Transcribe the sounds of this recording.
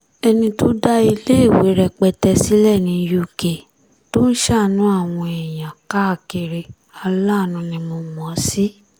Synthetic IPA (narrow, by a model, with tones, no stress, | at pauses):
ɛ˧nĩ˧to˦da˦i˧le˦i˦˨we˨˦ɾɛ˧k͡pɛ˧tɛ˧si˨˦lɛ˦˨nĩ˧˦ju˦˨ke˨ | to˦ʃa˦˨nũ˨˦a˦˨w̃ɔ̃˧ɛ˨jã˨ka˦˨ke˧ɾe˧ | a˧la˦˨nũ˧nĩ˧mo˧mɔ̃˨˦si˦